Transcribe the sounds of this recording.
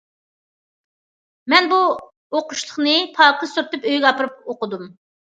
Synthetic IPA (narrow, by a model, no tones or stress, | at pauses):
mɛnbu | oqʰʊʃlˠəχnɨpʰɑːqʰəsuɾt̪ɨpøjɡʲɛɑpʰɨɾɨp̚oqəd̪um